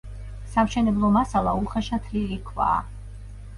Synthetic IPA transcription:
samʃɛnɛblˠɔmasalˠauχɛʃat̪ʰliɾikʰva̰ː

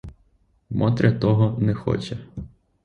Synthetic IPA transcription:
mʔɔt̪ɾʲʔʲɐt̪ɔɦɔnɛxɔ̰t͡ʃɐ

